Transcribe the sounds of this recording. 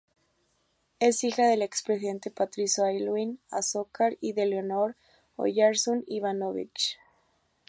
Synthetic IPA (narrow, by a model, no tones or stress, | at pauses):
e̞sixaðe̞le̞kspɾesiðe̞nt̪e̞pat̪ɾisoajlwinasokaɾiðe̞leono̞ɾ | o̰ʝaɾsoniβanoβḭt͡ʃ